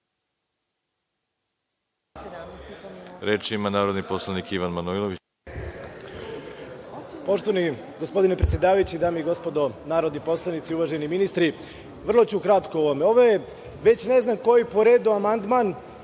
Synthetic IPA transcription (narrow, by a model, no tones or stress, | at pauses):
ɾet͡ʃimanaːɾod̪niposlˠanikiʋanmanuilˠoʋit͡ɕ | po̞ʃt̪oʋani | ɡospo̞d̪ine̞pɾet̪ʲjed̪aːʋajut͡ɕid̪aːmiiɡo̞spo̞d̪o̞naːɾo̞d̪nipo̞slˠanit̪siuʋaʒeniminist̪ɾi | ʋr̩lˠo̞t͡ɕukɾat̪kooʋome̞o̞ʋoje | ʋe̞t͡ɕne̞znamko̞jipo̞ɾeːd̪uamand̪man